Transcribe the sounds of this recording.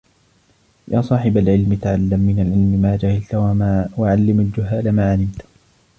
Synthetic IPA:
jʔaːsˤɑːħɪbalʕɪlmɪt̪aʕalːamːɪnalʕɪlmɪmaːd͡ʒahɪlt̪awamaːwaʕalːɪmald͡ʒʊɦaːlamaːʕalɪmt̪

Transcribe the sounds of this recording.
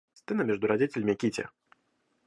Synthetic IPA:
st̪ɨnɐmʲɛʐd̪ʊɾad͡zʲit͡sʲelʲmʲikʲit͡sʲɛ̰

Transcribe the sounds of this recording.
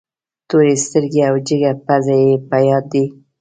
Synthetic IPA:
t̪oɾest̪əɾɡeawd͡ʒɪɡapazajepəjɑd̪ːi

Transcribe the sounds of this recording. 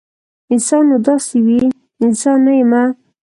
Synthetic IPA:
ɪnsɑnːod̪ɑsewi | ɪnsɑnːajema

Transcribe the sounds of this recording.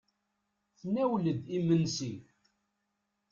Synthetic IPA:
θnæwləd̪imənsi

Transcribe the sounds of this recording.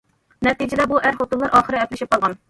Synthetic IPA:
nɛt̪id͡ʒɪd̪ɛbuʔæɾχot̪unlˠɑɾʔɑːχəɾɨɛplɪʃip̚qɑlˠʁɑn

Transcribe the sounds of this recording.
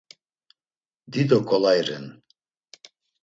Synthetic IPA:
d̪id̪ɔkʰʼɔlajɾɛn

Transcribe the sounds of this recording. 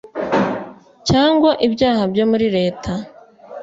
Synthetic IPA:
caːŋɡwaʔibɟaːhabɟo̞muɾiɾe̞ːtʰa

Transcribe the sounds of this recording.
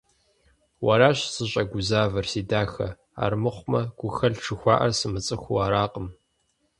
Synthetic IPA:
wɐɾaːɕsɨɕʼɐɡʷʊzaːvɐrsiːdaːxɐ̰ | a̰ːrmɨχʷmɐɡ̥ʷʊxɐɮʈ͡ʂʰɨxʷɑ̰ːʔɐrsɨmɨt͡sʼɨxʷuaːɾaːqʼəm

